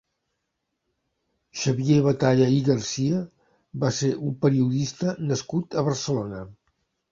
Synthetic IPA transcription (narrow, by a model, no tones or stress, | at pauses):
ʃəβjeβət̪aʎəiɣərsiə | baseɾʔumpəɾiuðist̪ənəskut̪əβərsəlonə